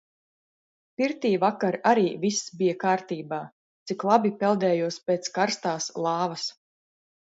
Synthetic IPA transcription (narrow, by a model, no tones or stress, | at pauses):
piɾt̪iːvakaɾaɾiːvisːbijakaːɾt̪iːbaː | t̪siklˠabipɛlˠd̪ɛːjuɔspeːt̪skaɾst̪aːslˠɑːvɐs